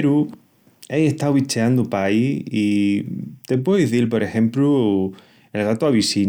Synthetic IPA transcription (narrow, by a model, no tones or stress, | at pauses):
ɾu | ejeht̪awβit͡ʃeand̪upaii | t̪e̞p̬weoðiθilp̬o̞ɾe̞xẽ̞mplu | elɣat̪uaβisi